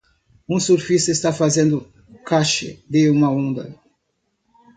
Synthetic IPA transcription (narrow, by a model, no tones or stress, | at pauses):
ũsuɾfisʊest̪afazẽnd̪ʊ | kaʃɪ̰d̪eumɐõnd̪ɐ̰